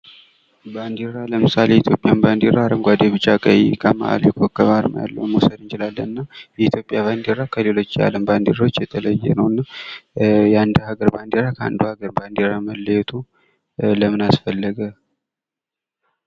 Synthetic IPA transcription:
band̪eɾaləmɨsaleit̪ʰjo̞pʼjanband̪eɾaaɾəmɡʷad̪eβɨt͡ʃʼakʼəjkʰəma̰ʔa̰ljɛkʰokːəβaɾmə̰ja̰lːə̰wumosəd̪ɨnt͡ʃɪlalːənɨnːajɛit̪ʰjo̞pʼːjaβand̪eɾakʰəle̞lo̞t͡ʃːja̰ləmband̪eɾawot͡ʃːjɛt̪ʰələjːɛnəwɨnːa | jand̪əhaɡəɾband̪eɾakʰəa̰nd̪uhaɡəɾband̪eɾaməlːəjɛt̪ʰu | ləmɨnasfəlːəɡə

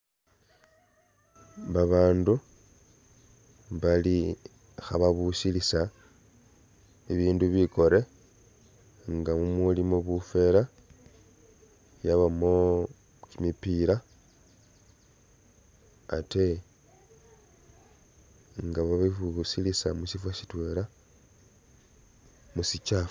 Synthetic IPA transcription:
βaβaːndu | βali | xaβaβusilisa | iβiːnduβiko̞ɾe̞ | ŋɡamumulimoβufe̞ːla | jaβamo̞ | kimipiɾa | ate̞ | ŋɡaβaβiuβusilisamuʃifwaʃi̥twe̞ːɾa | musit͡ʃaf

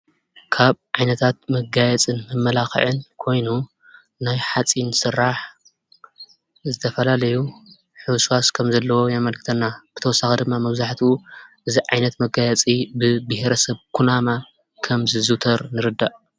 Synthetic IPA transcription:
kʰaβʕajnɐt̪ʰat̪̚mɐɡajɛt͡sʼɨnmɨmːɐlaxɨ̰ʕɨnkʰo̞jnu | najħat͡sʼinsɨrːaħ | zɨt̪ʰɐfɐlalɐju | ħɨwsuaskʰɐmzɐlːɐwo̞jamɐlkʰɨt̪ʰɐnːab̥ɨt̪ʰɐwɔsːaxed̪ɨmːamɐβzaħt̪ʰuʔɨziʕajnɐt̪mɐɡajɛt͡sʼibɨbɨhɾɐsɐβkʰunama | kʰɐmzɨzut̪ʰɐɾnɨɾɨd̪ːaʔ

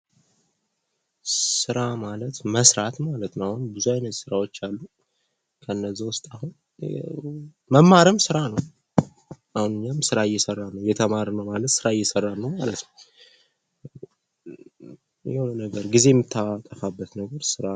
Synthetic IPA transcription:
sɨɾamalət̪məsɾat̪malət̪nəwahunbɨzuajnət̪sɨɾawo̞t͡ʃːalːu | kʰəɨnːəzːawʊst̪ʼahun | məmːaɾɨmsɨɾanəw | ʔahunɨɲːamsɨɾajːɛsərːalnəwjɛt̪ʰəmaɾnəwmalət̪sɨɾajːɛsərːalnəwmalət̪nəw | jɛhonənəɡəɾɡize̞jɛmːɨt̪ʰːawat̪ʼːəfabːət̪nəɡəɾsɨɾa

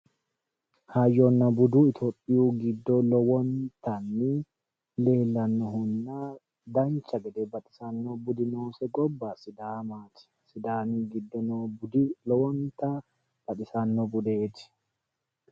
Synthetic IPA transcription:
haːjːɔnːɐbʊd̪uːɪt̪ʰoːpʼːɪjuːɡɪd̪ːɔlɔwɔnt̪ɐnːɪ | le̞ːlːɐnːɔɦʊnːa | d̪ɐnt͡ʃːɐɡɛd̪ɛbɐt̪ʼɪsɐnːɔbʊd̪ɪnoːsɛɡɔbːaːsɪd̪aːmaːt̪ɪ̥sɪd̪aːniɡɪd̪ːɔnolɔwɔnt̪ɐ | b̥ɐt̪ʼɪsɐnːɔbʊd̪eːt̪ɪ̥

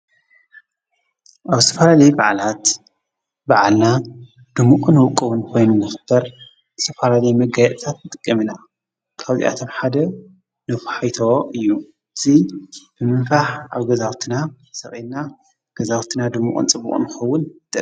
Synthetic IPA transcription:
ʔaβɨst̪ʰɐfalalɐjbaʕalat̪ | baʕalna | d̪̥ɨmːukʼunɨwɔkʼɨwunkʰo̞jnunːɨxɨb̥ɐɾ | ɨst̪ʰɐfalalɐjmɐɡajɛʔ̪ʼt̪ʰat̪nɨt̪ʼɨkʼːɐmɨna | kʰaβzḭʔa̰t̪ʰo̞mħad̪ɐ | nɨfħajt̪ʰowoʔɨjːu | ɨz̥ib̥ɨmɨnfaħʔa̰βɡɐzawt̪ʰɨna | sɐχʼilna | ɡ̥ɐzawt̪ʰɨnad̪ɨmːṵkʼṵnt͡sʼɨbːṵχʼṵnɨxɐwːʊnt̪ɨ

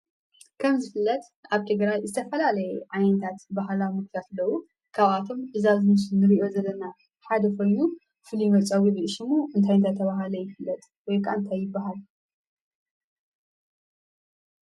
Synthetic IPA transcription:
kʰɐmzɨfɨlːɐt̪ | ʔaβt̪ʰɨɡɾajzɨt̪ʰɐfɐlalɐjɛʔajnt̪ʰat̪baɦlawmɨkt̪ʰijat̪lːɐwu | kʰaβʔat̪ʰo̞mʔɨzazɨmɨsɨnɨɾiʔo̞zɐlːɐna | ħad̪ɐkʰo̞jnu | fɨlimɐt͡sʼawiβiɨʃimːoʔɨnt̪ʰajnt̪ʰat̪ʰːɐβaɦalɐjɪfɨlːɐt̪ʼ | wɔjkʰaʔɨnt̪ʰajːɪbːaɦal

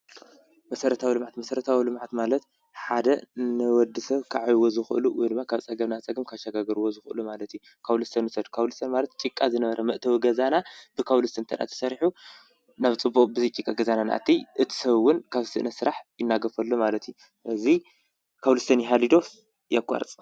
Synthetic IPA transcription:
mɐsɐɾɐt̪ʰawilɨmʕat̪mɐsɐɾɐt̪ʰawilɨmʕat̪malɐt̪̚ | ħad̪ɐnɨwɔd̪ːɨsɐβkʰaʕajwozɨxɨʔɨ̰luwḭjd̪ɨmːakʰaβt͡sʼɐɡɐβnat͡sʼɐɡɨmkʰaʃaɡaɡɐɾwozɨxɨʔɨlumalɐt̪ju | kʰaβlɨst̪ʰɐnusɐd̪kʰawlɨst̪ʰɐnmalɐt̪̚t͡ʃʼikʼːazɨnɐβɐɾɐmɐʔt̪ʰɐwiɡɐzanab̥ɨkʰawlɨst̪ʰɨnt̪ʰɐɾa̰t̪ʰɐ̥sɐɾħu | naβt͡sʼɨbːuχʼbɨzɐt͡ʃʼikʼaɡɐzanana̰ʔa̰t̪ʰːiʔɨt̪ʰi̥sɐβwʊnkʰaβsɨʔɨnɐsɨɾaħjɪnːaɡɐfɐlːomalɐt̪ju | ʔɨzi | kʰawlɨst̪ʰɐnjɦalid̪o̞ | jakʼːa̰ɾt͡sʼ

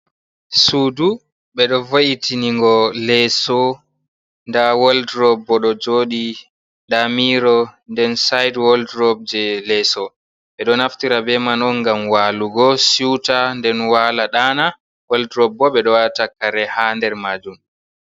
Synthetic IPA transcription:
sudu | ɓɛɗɔvoʔitiniŋɡɔlɛsɔ | ndawaldɾɔbːɔɗɔd͡ʒoːɗi | ɗamiɾɔndɛnsajdwɔldɾɔb̚d͡ʒɛlɛsɔ | ɓɛɗɔnaftiɾabɛmanɔnɡamwaːluɡɔsiwtandɛnwaːlaɗaːna | waldɾɔbːɔɓɛɗɔwatakːaɾɛhandɛɾmaːd͡ʒum

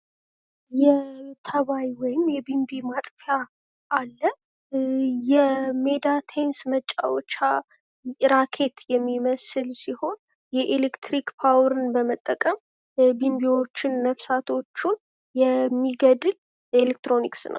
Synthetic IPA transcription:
jɛt̪ʰəβajwɔjɪmjɛbimbimat̪ʼfja | ʔalːə | jɛmed̪at̪ʰensmət͡ʃʼːa̰wot͡ʃːa | ɾakʰe̞t̪jɛmːiməsɨlsiho̞n | jɛʔelekt̪ɾikpʰawɾɨnbəmət̪ʼːəkʼəm | bimbiwo̞t͡ʃːɪnːəfsat̪ʰo̞t͡ʃːun | jɛmːiɡəd̪ɨl | elek̚t̪ɾo̞niksnʔə̰w

